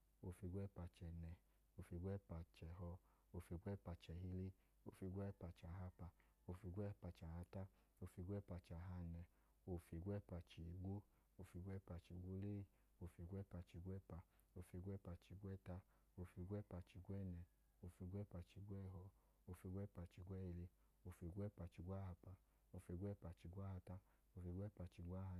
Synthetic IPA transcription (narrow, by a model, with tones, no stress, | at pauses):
o˧fi˧ɡʷɛ˦˨pa˧t͡ʃɛ˨nɛ˨˧ | o˧˨fi˧˦ɡʷɛ˦˨pa˧˨t͡ʃɛ˨ɦɔ˧ | o˧fi˧ɡʷɛ˦˨˦pa˧t͡ʃɛ˨ɦi˧le˦ | o̰˧˨fi˧ɡʷɛ˦pa˧t͡ʃa˨ɦa˧pa˧ | o˧fi˧ɡʷɛ˦˨pa˧t͡ʃa˨ha˧ta˦ | o˧fi˧ɡʷɛ˦˨˦pa˧t͡ʃa˨ɦa˧nɛ˧ | o˧fi˧˦ɡʷɛ˦˨pa˧t͡ʃi˨ɡʷo˦ | o˧˨fi˧ɡʷɛ˦pa˧t͡ʃi˧˨ɡʷo˦le˦˧˨ | o˧fi˧ɡʷɛ˦˨pa˧t͡ʃi˧˨˦ɡʷɛ˦pa˧ | o˧fi˧˦ɡʷɛ˦˨pa˧t͡ʃi˧˨ɡʷɛ˦˨ta˧ | o˧fi˧ɡʷɛ˦˨pa˧t͡ʃi˧˨ɡʷɛ˦˨nɛ˧˨ | o˧fi˧˦ɡʷɛ˦˨pa˧t͡ʃi˧˦ɡʷɛ˦˨ɦɔ˧ | o˧fi˧ɡʷɛ˦˨pa˧t͡ʃi˧˨ɡʷɛ˦i˧le˧ | o˧fi˧˦ɡʷɛ˦˨pa˧t͡ʃi˧˦ɡʷa˦ha˧pa˧ | o˧fi˧˦ɡʷɛ˦˨pa˧˨t͡ʃi˧ɡʷa˦ha˧ta˦ | o˧fi˧˦ɡʷɛ˦˨pa˧t͡ʃi˧˦ɡʷa˦ha˧